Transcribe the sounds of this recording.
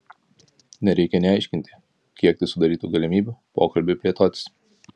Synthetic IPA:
nʲɛɾʲɛɪkʲɛnʲɛɐɪʃʲkʲɪnʲt̪ʲɪ̥ | kʲiɛk̚t̪ʲɪsʊd̪ɐɾʲiːt̪uːɡɐlʲɪmʲiːbʲupo̰ːkɐlʲbʲepʲlʲiɛt̪oːt̪ʲɪ̥s

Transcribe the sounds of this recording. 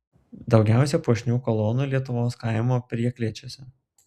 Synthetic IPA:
d̪ɒʊɡʲæˑʊsʲɛpuɔʃʲnʲuːkɔlˠɔːnuːlʲiɛt̪ʊʋoːskɑˑɪmoːpʲɾʲiɛklʲiɛt͡ʃʲosʲɛ

